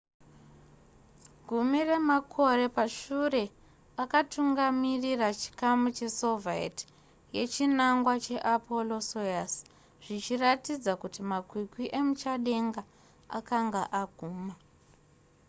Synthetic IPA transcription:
ɡʱumire̞makʰo̞ɾe̞paʃure̞ | akatuŋɡamirirat͡ʃi̥kamut͡ʃe̞so̞vaḛt | je̞t͡ʃinaŋɡwat͡ʃe̞ʔapʰo̞lo̞sojas | ʐ̥it͡ʃiratid͡zakutimakwikwiʔe̞mut͡ʃaɗe̞ŋɡa | a̰kaŋɡaʔaɡ̥ʱuːma

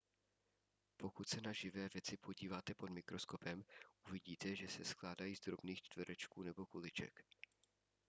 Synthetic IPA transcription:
po̞kut̪sɛnaʒɪvɛːvjɛt͡sɪpʰo̞ɟiːvaːt̪ɛpo̞dmɪkɾo̞sko̞pɛmʔuvɪɟiːt̪ɛʒɛsɛsklaːdajiːzd̪ɾo̞bniːxt͡ʃt̪vɛɾɛt͡ʃkuːnɛbo̞kulɪt͡ʃɛ̰k

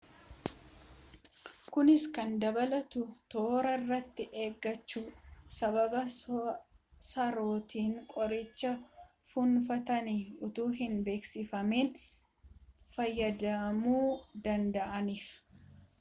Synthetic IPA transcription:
kʊnɪskɐnd̪ɐbɐlɐt̪ʊt̪o̞ːɾɐrːɐt̪ːɪʔe̞ːɡːɐt͡ʃːuːsɐbɐbɐ | sɐɾoːt̪iːŋkʼɔɾɪt͡ʃːɐ | fʊnfɐt̪ɐniʊt̪uːɦɪnbe̞ːksɪfɐmeːn | fɐjːɐd̪ɐɐmuːd̪ɐnd̪ɐʔɐniːf

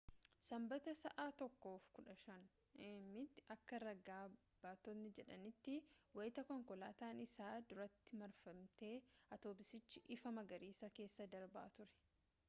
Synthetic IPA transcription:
sɐmbɐt̪ɐsɐʔaːt̪ɔkːo̞ːfkʊᶑɐʃɐn | mːɪt̪ːɐkːɐɾɐɡaː | b̥aːt̪ɔnɪd͡ʒɛᶑɐnɪt̪ːɪwɐjt̪ɐkɔŋkɔlaːt̪aːnɪsaːd̪ʊɾɐt̪ːɪmɐɾfɐmt̪e̞ːɐt̪o̞ːbɪsɪt͡ʃːɪʔɪfɐmɐɡɐɾiːsɐke̞ːsːɐd̪ɐɾbɐʔa̰t̪ʊɾɛ̥

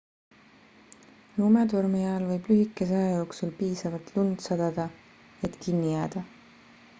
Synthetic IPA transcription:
luːmed̪urmijɑɑlvɤ̞jb̥lyɦikːˑe̞s̬ɑjɑjo̞ːksulpiːsɑvɑlt̪lund̪̥sɑd̪̥ɑd̪̥ɑ | e̞t̪kinːijæːd̪̥ɑ

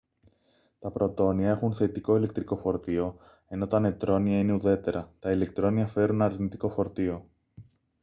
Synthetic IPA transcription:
t̪ɐpɾo̞t̪o̞niɐexunθe̞t̪iko̞ile̞k̚t̪ɾiko̞fo̞ɾt̪io̞ | e̞no̞t̪ɐne̞t̪ɾo̞niɐine̞uðe̞t̪e̞ɾɐt̪ɐile̞k̚t̪ɾo̞niɐfe̞ɾunɐɾnit̪iko̞fo̞ɾt̪io̞

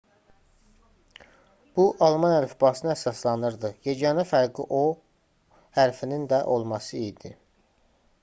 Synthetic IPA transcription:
b̥uʔɑlˠmɑnæɾfbɑsɯnɯæsɑslˠɑnɯɾd̪ɯjed͡ʒɑnɑfæɾɡiʔo | hæɾfinind̪æʔo̞lˠmɑsɯid̪i

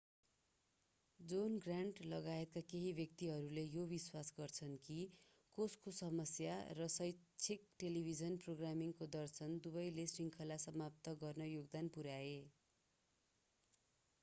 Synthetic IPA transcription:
d͡zonɡraɳʈlʌɡaet̪̚kakeɦibʱjʌk̚t̪iɦʌɾulejobiswasɡʌrt͡sʰʌnki | koskosʌmʌsjarʌsʌjt͡sʰik̚ʈelibʱid͡zʌnproɡramiŋkod̪ʌrsʰʌnd̪ubʌjlesiŋkʰʌlasʌmapt̪ʌɡʌrnʌjoɡd̪anpuɾae

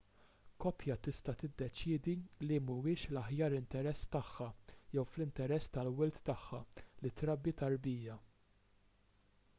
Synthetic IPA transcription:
kɔpjɐt̪ɪst̪ɐt̪ɪd̪ːɛt͡ʃɪːd̪ilimʊwɪːʃlɐħjɐːɾɪnt̪ɛɾɛsːt̪ɐħːɐjɛwflɪnt̪ɛɾɛsːt̪ɐlwɪlt̪ːɐħːɐlɪt̪ɾɐbːit̪ɐɾbiːjɐ

